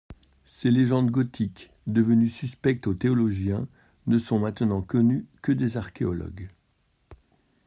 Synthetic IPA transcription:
seleʒɑ̃d̪ɡɔt̪ʰik | d̪əvənysyspɛk̚t̪ot̪eɔlɔʒjɛ̃ | nəsɔ̃mɛ̃t̪nɑ̃kɔnykəd̪ezaʁkʲeɔlɔ̰ɡ

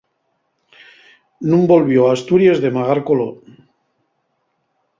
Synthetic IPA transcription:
nũmbo̞lβjoaːst̪uɾjezðe̞maɣaɾkolo

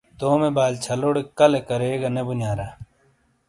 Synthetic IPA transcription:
t̪oːmebaːlt͡ɕʰɐloːɽekɐlekɐɾeːɡɐnebunjaːɾa

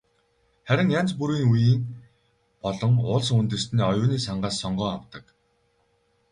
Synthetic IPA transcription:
χæɾʲɪ̆ŋjant͡spuɾiːŋujiːŋ | pɔɮɞ̆ŋʊɮsunt̪ɘ̆st̪niːɔjʊːniːsaɴɢaːsːɔɴɢœːawt̪ə̆k

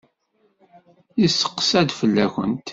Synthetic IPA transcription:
isə̥qːsæd̪fəlːæxə̰nt̪

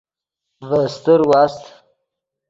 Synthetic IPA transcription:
vəst̪əɾwast̪

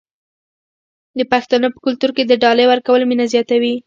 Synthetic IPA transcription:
d̪əpaxt̪ɑnopə̥kʊlt̪uɾked̪əɖɑləjwaɾkawəlminazjɑt̪awi

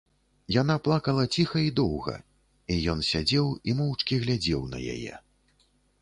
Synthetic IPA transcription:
jan̪aplˠakɐlˠɐt͡sʲixɐid̪ɔwɣɐ̰ | ijɔnsʲad͡zʲɛwimɔwt͡ʂkʲiɣlʲad͡zʲɛwnɐ̰ja̰jɛ̰

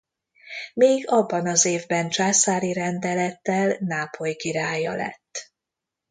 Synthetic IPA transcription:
meːɡɒbːɒnɒzeːvbɛnt͡ʃaːsaːɾiɾɛnd̪ɛlɛt̪ːɛlnaːpʰo̞jkiɾaːjɒlɛ̰t̪ː

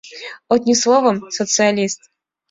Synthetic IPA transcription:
ot̪nʲislˠovəmsɔt̪sɨɐlʲist̪

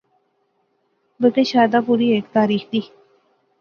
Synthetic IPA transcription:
bət̪eːʃaːd̪aːpuːɾiːeːkt̪aːɾiːxd̪iː

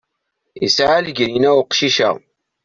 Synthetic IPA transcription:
ḭsʕalɡæjənæwʊqʃiʃæ̰ʁ

